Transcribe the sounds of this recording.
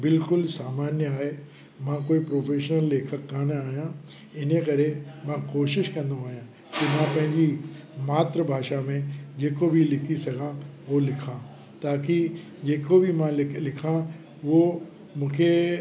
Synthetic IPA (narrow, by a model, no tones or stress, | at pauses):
bɪlkʊlsaːmaːnjəaːɦe | mãkoːipɾoːfʰeːʃnəlːeːkʰəkːaːnaːɦijã | ɪnəkɐɾemãkoːʃɪʃkɐ̃nd̪ooːijã | kimãpɐ̃ɦɪ̃ɲd͡ʑi | maːt̪ɾəbʱaːʃamẽd͡ʑeːkobʱilɪkʰisɐɡʱãolɪkʰã | t̪aːki | d͡ʑeːkobʱimãlɪkʰã | ʊɦo | mũːkʰe